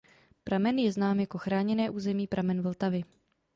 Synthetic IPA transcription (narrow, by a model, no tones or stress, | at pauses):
pɾamɛnjɛznaːmjako̞xɾaːɲɛnɛːʔuːzɛmiːpɾʔamɛnvl̩t̪avɪ